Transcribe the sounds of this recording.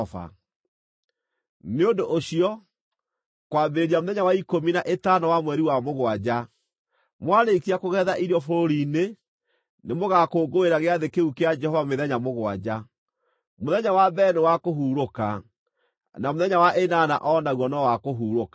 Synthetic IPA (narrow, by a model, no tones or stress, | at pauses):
a̰ | neondoʔoɕiɔ | kwaːbeɾeɾiamoðɛɲawaikominaʔetanɔwamwɛɾiwamoɣwad͡ʑa | mwaɾekiakoɣɛðaʔiɾiɔfoɾoɾine | nemoɣakoːɡoeɾaɣeaðekeukead͡ʒɛhɔvameðɛɲamoɣwa̰d͡ʑa | moðɛɲawabɛːnewakoɦuːɾoka | namoðɛɲawaʔenana̰ʔɔːnaɣwɔnɔwakoɦuːɾoka